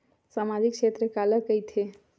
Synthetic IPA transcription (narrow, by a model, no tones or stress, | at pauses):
samad͡ʒik̚t͡ʃʰet̪ɾəkaləkəjt̪ʰe